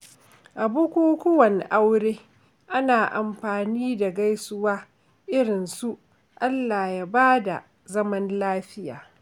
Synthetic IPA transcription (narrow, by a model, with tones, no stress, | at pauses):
ʔa˨bʊ˦kʷuː˦kʷʊ˦wɐ˨nʔa˦wɽeː˦ | ʔa˦naː˨ʔa˨mɸaː˨niː˦da˨ɡa˦jsʊ˦waː˦ | ʔɪ˦ɽɪ˨nsu˦ʔ | ʔa˦lːaː˨ja˦baː˦da˨ | zɐ˦mɐ˦nlaː˦ɸɪ˦ja̰ː˨